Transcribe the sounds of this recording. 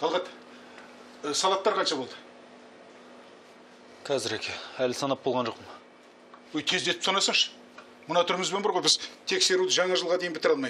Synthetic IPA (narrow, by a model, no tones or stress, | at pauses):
t̪ʰɑlˠʁɑt̪ | sɑlˠɑt̪ːɑɾqʰɑnʃɑbo̞lˠd̪ə | qʰɑzɪɾekʲʰeælsɑnɑp̚bo̞lˠʁɑnʒo̞qpəm | wɵjt̪ʲʰe̞zd̪e̞t̪ɪpsɑnɑsəɴʃə̥ | mənɑt̪ʰʏɾɪmɪzbenbɑɾʁo̞jbɪzt̪ʰe̞kse̞ɾud̪əʒɑɴɑʒəlˠʁɑd̪e̞jɪnbɪt̪ɪɾɑlˠmɑj